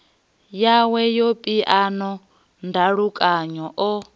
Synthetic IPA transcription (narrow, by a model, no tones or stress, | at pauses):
jawɛjopʼiʔanɔ | ndʱaɺukʼaɲɔʔɔ